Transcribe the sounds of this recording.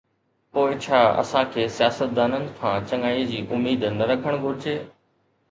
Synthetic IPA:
poːɪt͡ɕʰaːɐ̰sãkʰeːsijaːsət̪̚d̪aːnənɪ̆kʰãːt͡ɕɐŋaːiːd͡ʑiːʔʊmːiːd̪nɐɾɐkʰəɽ̃ɡʱʊɾɪd͡ʑeː

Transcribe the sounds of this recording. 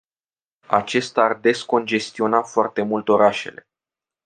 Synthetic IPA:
a̰t͡ʃe̞st̪aːrd̪e̞sko̞nd͡ʒe̞st̪io̞nafoart̪e̞mult̪o̞ɾaʃe̞̰le̞̰

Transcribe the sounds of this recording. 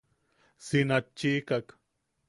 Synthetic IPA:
sɪnat͡ʃːiːkak

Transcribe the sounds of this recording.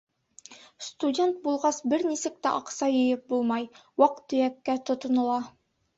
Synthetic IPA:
st̪udʲe̞nt̪̚bulˠʁɑsbɘɾnisɘk̚t̪æʔɑqsɑjɤ̆jɤp̚bulˠmɑjwɑq̚t̪ːɵ̆jækːæt̪ŏt̪ŏnɤ̆lˠɑ

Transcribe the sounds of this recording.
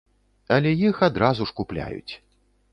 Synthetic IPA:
ɐlʲɛjixad̪ɾazuʂkuplʲa̰jṵt͡sʲ

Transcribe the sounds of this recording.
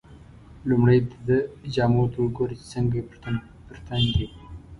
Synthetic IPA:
lumɽajd̪əd̪əd͡ʒɑːmoɾt̪wəɡoɾit͡ʃe̥t͡səŋɡap | pəɾt̪and̪e

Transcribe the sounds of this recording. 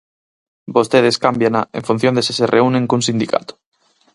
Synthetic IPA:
bost̪eð̞eskambjanaeɱfun̟θjond̪esisereunẽŋkunsind̪ika̰t̪o̥

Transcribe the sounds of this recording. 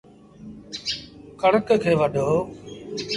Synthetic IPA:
kəɳ̃əkkʰeːʋəɖʱoː

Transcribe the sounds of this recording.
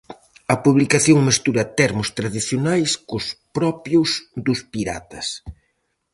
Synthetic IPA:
ɐpuβlikaθjoŋmest̪uɾɐt̪ɛɾmʊst̪ɾaðiθjonajskʊspɾɔpjʊzd̪ʊspiɾa̰t̪ɐs

